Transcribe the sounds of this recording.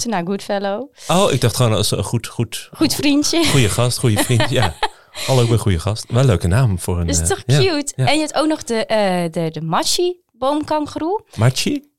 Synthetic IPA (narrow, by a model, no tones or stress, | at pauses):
tənaɡutfɛlowowɪ̰ɡ̚dɑχtχonsəχutχutχutfrintjəχujəχɑstχujəfrinja | hɑlowʋɪχujəχɑstʋɛlːøɥkənaːmfʊːɹənɪstɔχtjaɛnjəɛp̚towk̚nɔχdəʔdədəmat͡ʃi | bowmkɑŋχrumat͡ʃi